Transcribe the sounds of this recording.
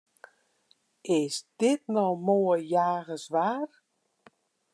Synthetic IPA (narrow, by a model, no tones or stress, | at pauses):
ɪsd̥ɪt̚nɔmoːəjaːɣəsʋaːr